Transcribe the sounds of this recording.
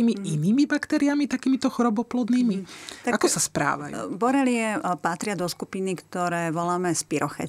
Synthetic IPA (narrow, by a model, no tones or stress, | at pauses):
iːmiiniːmibakt̪ɛɾiamit̪akiːmit̪ɔxɔɾɔbɔplɔd̪niːmit̪aakɔsaspɾa̰ːʋa̰jubɔɾɛlɪɛpat̪ɾɪad̪ɔskupinikt̪ɔɾɛːʋɔlaːmɛspiɾɔxɛ̰